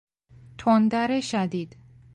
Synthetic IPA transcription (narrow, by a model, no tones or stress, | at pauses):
t̪ʰond̪æɾeʃæd̪iːd̪̥